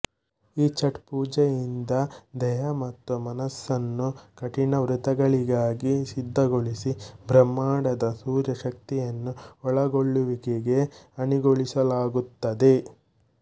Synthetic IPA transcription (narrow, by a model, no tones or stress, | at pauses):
iːt͡ʃɐʈpuːd͡ʒɛjind̪ɐd̪ɛjɐmɐt̪ːumɐnɐsːɐnːukɐʈinɐʋɾut̪ɐɡɐɭiɡaːɡisid̪ːɐɡoɭisibʱɾɐmːaːɽɐd̪ɐsuːɾjɐʃɐk̚t̪ijɐnːuɔɭɐɡoɭːuʋikeɡe̞ɐniɡoɭisɐlaːɡut̪ːɐd̪e̞